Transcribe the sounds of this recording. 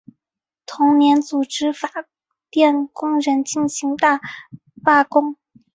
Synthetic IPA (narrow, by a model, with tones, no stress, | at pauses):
t̪ʰʊ˧˥ŋnjɛ˧˥nt͡su˨˩ʈ͡ʂɻ̩˥fa˨˩ | t̪jɛ˥˩nkʊ˥ŋɻə˧˥nt͡ɕi˥˩nɕi˧˥ŋt̪a˥˩ | fa˥˩kʊ˥ŋ